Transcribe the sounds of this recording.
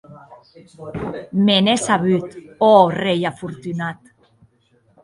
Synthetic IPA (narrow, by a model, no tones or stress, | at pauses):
menesaβyt̪orejafuɾt̪ynat̪